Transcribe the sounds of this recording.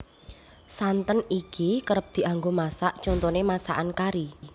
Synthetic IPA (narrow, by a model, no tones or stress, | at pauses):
sant̪ənikikəɾəp̚d̪̥i̤ʔaŋɡomasaʔd̥t͡ʃɔnt̪ɔnemasa̰ʔankaɾi